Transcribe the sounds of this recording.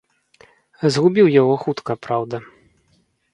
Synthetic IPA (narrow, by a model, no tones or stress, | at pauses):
zɣubʲiwjaɣɔxut̪kɐpɾawd̪ɐ